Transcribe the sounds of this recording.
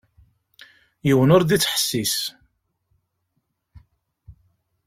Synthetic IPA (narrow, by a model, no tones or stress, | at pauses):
jiwənʊɾd̪it͡sːħə̥sːis